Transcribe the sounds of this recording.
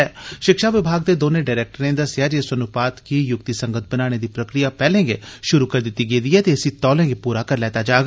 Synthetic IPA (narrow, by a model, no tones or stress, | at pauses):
ʃɪkʃaːʋɪbʱaːɡ̚d̪eːd̪oːneːɖaːɾɛːk̚ʈəɾẽːd̪aːsjaːɾiəsənʊpaːt̪kiːjʊkt̪isə̃ŋɡət̪̚ʰbənaːɽ̃eːd̪iːpɾəkɾɪjaːpɛːlẽːɡḛʃʊɾuːkəɾd̪ɪt̪ːiːɡeiːd̪iːɛːt̪esĩːt̪ɔːlẽːɡepuːɾaːkəɾlɛːt̪aːd͡ʒaːɡ